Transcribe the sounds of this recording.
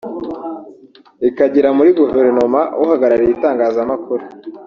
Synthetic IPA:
ikaɟiɾamuɾiɡuve̞ɾno̞mawʔohaɡaɾaɾijitaːŋɡaːzamakuɾe

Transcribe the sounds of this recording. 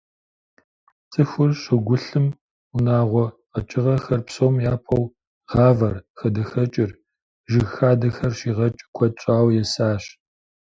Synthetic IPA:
t͡sʼɨxʷʊrɕɪɡʷʊɬɨm | ʊnaːʁʷɔqɐt͡ʃʼɪʁɐxɐrpsoːmjaːpʰɐw | ʁɑːvɐrxɐdɐxɐt͡ʃʼɪr | ʒɪɣxaːdɐxɐrɕiːʁɐt͡ʃʼkʷʰɔt͡ʃʼaːwjɛsaːɕ

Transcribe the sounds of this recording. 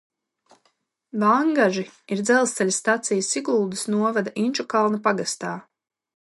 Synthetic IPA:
vaŋɡaʒiiɾd̪zɛlˠst̪ɛlʲasːt̪at̪sijəsiɡulˠd̪usnuɔvad̪aʔinʲt͡ʃukalˠnɐpaɡast̪aː

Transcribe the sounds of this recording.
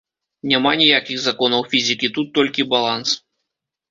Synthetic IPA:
nʲamanʲijakʲixzakɔnɐwfʲizʲikʲit̪ut̪ːɔlʲkʲibalˠans

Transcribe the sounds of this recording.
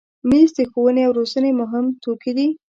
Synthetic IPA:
mizd̪əxowəneawɾozənemʊɦɪmt̪ʰokid̪i

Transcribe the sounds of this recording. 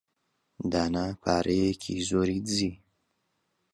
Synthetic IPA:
d̪anapʰaːɾʔekʰizoɾizi

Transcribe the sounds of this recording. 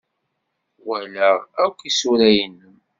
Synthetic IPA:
wælæækʷːisuɾæjənːəm

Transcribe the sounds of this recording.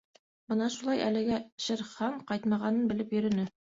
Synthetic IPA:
bɤnɑʃulˠɑjʔælɘ̆ɡæɕɘ̆ɾχɑɴqɑjt̪mɑʁɑnɤnbɘ̆lɘpjɵ̆ɾɵ̆nɘ

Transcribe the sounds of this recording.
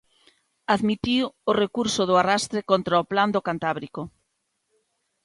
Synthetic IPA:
aðmit̪iworekuɾsoðʊarast̪ɾekont̪ɾaopland̪okant̪aβɾiko

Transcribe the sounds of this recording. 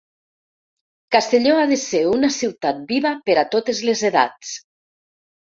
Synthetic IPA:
kast̪eʎoaðeseunasiwt̪at̪̚biβapeɾat̪ot̪ezlezeða̰t͡s

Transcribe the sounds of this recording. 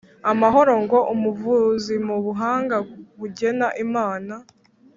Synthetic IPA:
amaɦo̞ɾo̞ŋɡo̞ʔumuvuzimuβuɦaːŋɡaβuɟe̞naʔimaːna

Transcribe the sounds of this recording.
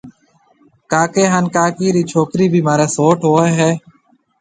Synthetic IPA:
kaːkeːɦaːnkaːkiːɾiːt͡ʃʰoːkɾiːbʱiːmaːɾeːsoːʈɦoːeːɦɛː

